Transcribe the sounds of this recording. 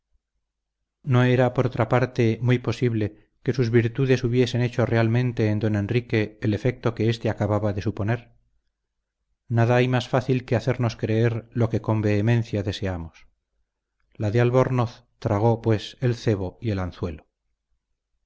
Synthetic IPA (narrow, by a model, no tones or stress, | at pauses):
no̞e̞ɾapo̞ɾot̪ɾapaɾt̪e̞mujpo̞siβle̞ | ke̞suzβiɾt̪uðe̞suβje̞se̞ne̞t͡ʃo̞re̞almẽnt̪e̞ːnd̪o̞ne̞nrike̞ːle̞fe̞k̚t̪o̞ke̞est̪e̞akaβaβaðe̞supo̞ne̞ɾ | naðaajmasfaθilke̞aθe̞ɾno̞skɾeeɾlo̞ke̞ko̞mbe̞ːmẽ̞nθjaðe̞se̞amos | laðealβoɾnoθ | t̪ɾaɣ̞o̞pwe̞se̞lθe̞βo̞ie̞lanθwe̞lo